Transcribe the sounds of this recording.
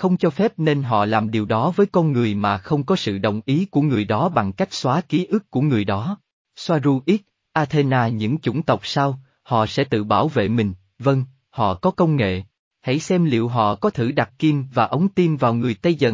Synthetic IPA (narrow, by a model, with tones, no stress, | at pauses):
xə˧wŋ͡mt͡ɕɔ˧fɛ˦˥p̚ne˧nɦɔ̰˧˨laː˨˩mɗi˨˩əwɗɔ˨˦vəː˨˦jkɔ˧nŋɨ˨˩əjmaː˨˩xə˧wŋ͡mkɔ˨˦sɨ̰˧˨ɗə̰˧˨wŋ͡mʔi˨˦ku˧˩əŋɨ˨˩əjɗɔ˨˦ɓa˨˩ŋka˦˥jk̟̚swaː˨˦ki˨˦ʔɨ˦˥kːu˧˩əŋɨ˨˩əjɗɔ˨˦ | swaː˧zu˧ʔi˦˥t̚ | ʔaː˧t̪ʰe˧naː˧ɲɨ̰˧˥ŋt͡ɕʊ̰˧˩ŋ͡mt̪ə˨˩wk͡p̚saː˧w | hɔ̰˧˨sɛ̰˧˥t̪ɨ̰˧˨ɓaː˧˩wvḛ˧˨mï˨˩ŋ̟ | və˧ŋ | hɔ̰˧˨kɔ˨˦kə˧wŋ͡mŋḛ˧˨ | ha̰˧˥˩jsɛ˧mlḭ˧˨əwɦɔ̰˧˨kɔ˨˦t̪ʰɨ˧˩ɗa˨˩t̚ki˧mvaː˨˩ʔə˨˦wŋ͡mt̪i˧mvaː˨˩wŋɨ˨˩əjt̪ə˧jzə̰˧˨